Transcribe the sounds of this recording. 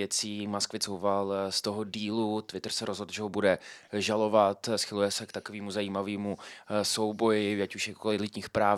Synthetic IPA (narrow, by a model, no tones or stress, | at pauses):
jɛt͡siːmaskvɪt͡sowfalst̪o̞ɦodiːlut̪vɪt̪rsɛɾozɦodlʒɛɦobudɛʒalo̞vat̪sxɪlujɛsɛkt̪akoviːmuzaiːmaviːmusowbo̞jɪacuʃjɛkkolɪlɪt̪ɲiːxpɾaː